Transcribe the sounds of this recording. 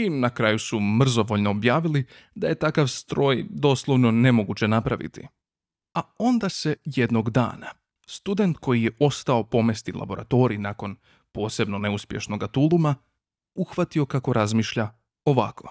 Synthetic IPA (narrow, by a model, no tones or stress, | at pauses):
inakɾajusumr̩zo̞ʋo̞ʎno̞ːbjaːʋili | d̪aje̞t̪akaʋst̪ɾo̞ːjd̪o̞ːslˠo̞ʋno̞ne̞mo̞ɡut͡ɕe̞napɾaʋḭt̪ḭ | ao̞nd̪ase̞je̞d̪no̞ɡd̪a̰ːna | st̪ud̪e̞nt̪ko̞jije̞ʔo̞st̪ao̞po̞me̞st̪ilʔa̰bo̞ɾa̰t̪o̞ːɾinako̞n | po̞ːse̞bno̞ne̞uspje̞ʃno̞ɡat̪ulˠuma | uxʋat̪io̞kako̞ɾazmiːʃʎa | o̞ʋakʰo̞̥